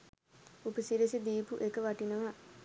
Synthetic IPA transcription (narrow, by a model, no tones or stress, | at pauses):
upəsiɾisid̪iːpuʔekəʋaʈinəʋa